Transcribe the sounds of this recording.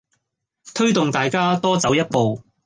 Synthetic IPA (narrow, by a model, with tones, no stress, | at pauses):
t̪ʰɵ˥ɥt̪ʊ˨ŋt̪aː˨jkaː˥t̪ɔː˥t͡sɐ˨˥wjɐ˥t̚po˨w